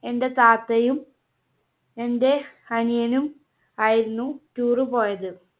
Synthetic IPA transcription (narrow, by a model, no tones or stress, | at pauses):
e̞nde̞t̪aːt̪ːɐjum | e̞nde̞ | ɐnijɐnum | aːjiɾunːutuːrɨpo̞ːjɐðɨ